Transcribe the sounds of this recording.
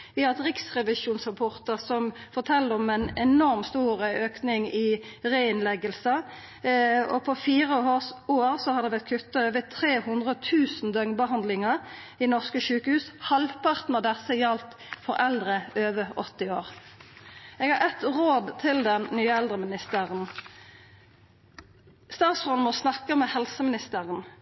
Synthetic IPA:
ʋɪhɑt̪ʁɪksʁɛʋɪʃuːnsʁəpʰoːʁt̪əʁsɔmfɔʁt̪ʰɛlːəɔmɛnɛnɔʁmst̪uːʁəøːknɪŋɪʁeɪɪnlɛɡəlsə | ɔ̰pʰɔfiːʁəoːʁsoːʁsɔhɑɾd̪ɛbɛt̪̚kʰʉt̪ːɑøːʋət̪ʰʁeːhʉnd̪ʁət̪ʰʉːsn̩d̪œŋbəɦɑnd̪lɪŋəʁ | inɔʁskəʃʉːkəhʉːshɑlpʰɑʁt̪nɑd̪ɛsəjɑlt̪ | fɔʁɛld̪ʁəøːʋəɔt̪ːɪoːʁ | ɛɡhɑʁɛt̪ʁoːd̪t̪ʰɪld̪ɛnnyːɛld̪ʁəmɪnɪst̪əʁən | st̪ɑːt̪sfɔnmɔsnɑkːəmɛhɛlsəmɪnɪst̪əʁən

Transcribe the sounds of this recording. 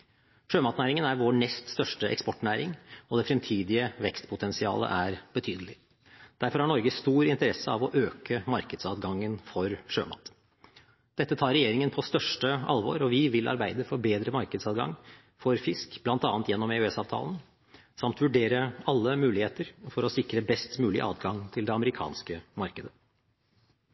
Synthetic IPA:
ʂøːmɑːt̪næːɾɪŋənæɾʋoːɳɛst̪st̪œʂʈəʔɛ̰kspɔʈːnæːɾɪŋɔd̪ɛfɾɛmt̪ʰiːd̪ɪəʋɛkst̪pʰʊt̪ʰɛnsɪɑ̰ːlə̰ʔæɾb̥ət̪ʰyːd̪əlɪ | d̪̥æɾfɔɾhɑɳɔɾɡəst̪uːɾɪnt̪əɾɛsːəɑʋɔʔøːkəmɑɾkəd̪sɑːd̪ɡɑŋːənfɔɾʂø̰ːmɑ̰ːt̪ | d̪̥ɛt̪ːət̪ʰɑːɾɛjeːɾɪŋənpʰɔst̪œʂʈəʔɑ̰lʋo̰ːɾɔʋɪʋɪlʔɑ̰ɾbæɪd̪əfɔɾbeːd̪ɾəmɑɾkəd̪sɑːd̪ɡɑ̰ŋː | fɔɾfɪskb̥lɑnt̪ɑ̰ːnt̪jɛnːɔmeʉɛsɑːʋt̪ʰɑ̰ːlən̩ | sɑmt̪ʋʉɖeːɾəɑlːəmʉːlɪheːt̪əɾfɔɾɔsɪkɾəbɛst̪mʉːlɪ̰ʔɑ̰ːt̪ɡɑŋt̪ʰɪld̪ɛɑməɾɪkʰɑ̰ːnskəmɑɾkəd̪ə

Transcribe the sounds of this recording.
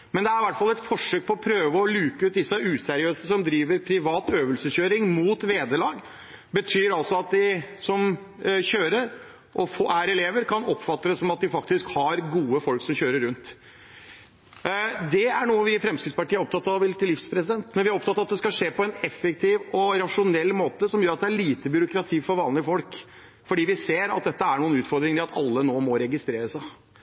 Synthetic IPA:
mɛnd̪ɛæɾɪʋæʈːfɑlɛt̪fɔʂøːk̚pʰɔːpʰɾøːʋəɔlʉːkəʉːt̪̚d̪ɪsːəʉːsɛɾɪøːsəsɔmd̪ɾiːʋəɾpʰɾɪʋɑːt̪øːʋəlsəɕøːɾɪŋmuːt̪ʋeːd̪əlɑːɡ | bət̪ʰyːɾɑlsɔɑt̪̚d̪ɪsɔm | çøːɾəɾ | ʔɔfoʔæɾɛleːʋəɾkʰɑnɔpːfɑt̪ːəd̪əsɔmɑt̪̚d̪ɪfɑk̚t̪ɪskhɑɾɡuːəfɔlksɔmçøːɾəɾʉnt̪ | d̪ɛæɳuːəʋɪfɾɛmskɾɪt̪spɑʈiːæɾɔp̚t̪ɑt̪ːɑʋɪlt̪ɪlːɪfspʰɾɛsɪd̪ɛnt̪mɛnʋɪæɾɔp̚t̪ɑt̪ːɑɑt̪d̪ɛskɑʂeːpɔɛnɛfɛk̚t̪ʰɪʋɔɾɑʂʊnɛlːmoːt̪əsɔmjøːɾɑt̪̚d̪ɛæɭiːt̪əbjʏɾʊkɾɑt̪ʰiːfɔɾʋɑːnlɪəfɔlk | fɔɖiːʋɪseːɾɑ̰t̪̚d̪ɛt̪ːəæɳuːənʉːt̪fɔɾd̪ɾɪŋəɪlɑt̪ʰɑ̰lːənoːmɔɾɛɡɪst̪ɾeːɾəsæɪ

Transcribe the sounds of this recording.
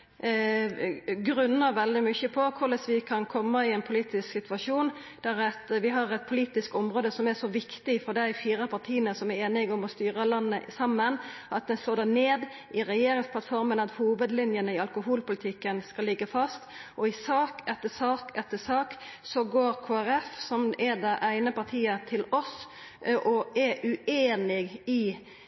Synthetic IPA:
ɡɾʉnːəɾʋɛld̪ɪmʏçəpʰɔkʰʊɾləsʋɪkʰɑnkʰɔmːəɪɛɪnpʰʊliːt̪ɪsksɪt̪ʋɑʂuːn | d̪̥æɾɛt̪ʋɪɦɑʁɛt̪̚pʰʊliːt̪ɪskɔmʁoːd̪əsɔmæʂɔʋɪkt̪ɪfɔɾd̪æɪfiːɾəpʰɑt̪ʰiːənəsɔmæɾeːnɪɡɔmɔst̪yːɾəlɑnːəsɑmːənʔɑt̪̚d̪ɛst̪oːd̪æneːd̪ | ʔɪʁɛjeːɾɪŋspʰlɑt̪fɔɾmənɑt̪huːʋəd̪lɪnjənəɪɑlkʊɦuːlpʊlɪt̪ʰɪkːənskɑlːɪɡːəfɑst̪ʔɔɪsɑːkɛt̪ːəsɑːkɛt̪ːəsɑːksɔɡoːɾkʰoːæɾɛfsɔmɛd̪ɛʔæɪnəpɑɾt̪ʰiːət̪ʰɪlɔs | ʔɔʔɛʔʉeːnɪɡɪ

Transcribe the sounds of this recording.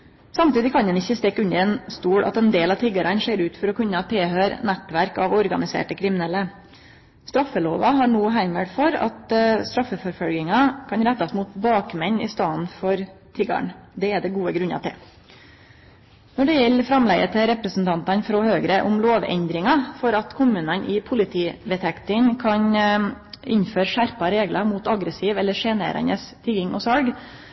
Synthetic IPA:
sɑmt̪iːd̪ɪkʰɑnd̪ɛnɪçːəst̪eːkːʉnːəɾɛnst̪uːɽʔɑ̰t̪ɛnd̪eːlɑʋt̪ʰɪɡɑɾɑnʂeːɾʉːt̪fɔɾɔkʉnːət̪ʰeːhøːɾnæt̪ʋæɾkɑʋɔɾɡɑnɪsḛːʈəkʰɾɪmɪnɛlə | st̪ɾɑfːəloːʋɑɦɑɳuːɦæɪməɽfɔɾɑ̰t̪st̪ɾɑfəfɔɾfɔlɡɪŋɑkʰɑnɾæt̪ːɑsmuːt̪bɑːkmɛɲːɪ̰st̪ɑːənfɔɾt̪ʰɪɡɑ̰ɳd̪ɛɛd̪ɛɡuːəɡɾʉnɑ̰t̪ʰɪ̰l | nɔɖɛjɛlːfɾɑmlɛɡət̪ʰɪɾɛpɾəsn̩t̪ʰɑnt̪ɑnfɾɔhøːɡɾəʔʊmloːʋɛ̰nd̪ɾɪŋɑfɔɾɑt̪kʰʊmʉːnənʔɪpʰʊlɪt̪ʰiːd̪ɛt̪ʰɛkt̪ənkʰɑɲ | ɪɲføːɾʂæɾpɑɾeːɡlɑmuːt̪ɑɡɾəsiːʋɛlːəʂeːnḛːɾə̰nəst̪ʰɪɡɪŋʔɔsɑlɡ

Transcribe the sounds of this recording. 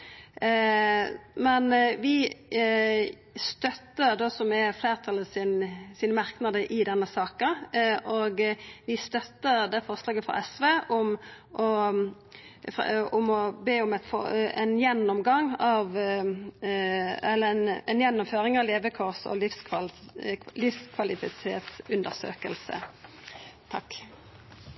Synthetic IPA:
mɛnʋɪ | st̪œt̪ːəɾd̪oːsɔmɛɾfleːɾt̪ʰɑləsɪnsiːnəmɑɾknɑd̪əʔɪd̪ɛnːəsɑːkəʔɔɡʋɪst̪œt̪ːəɾd̪æfɔɾslɑːɡəfɑ̰ʔɛsʋeːʔɔm | ʔɔ | ʊmɔbeːʊmɛt̪fɔɛnjɛnːɔmɡɑŋɑʋ | ɛlːəɛnɛnjɛnːɔmføːɾɪŋɑʋleːʋəkʰɔʁsɔ̰lɪfsʰ | lɪfskʰʋɑlɪfɪtʰḛːt̪sʉnd̪əʁsø̰ːkəlsə̰ | t̪ʰɑkː

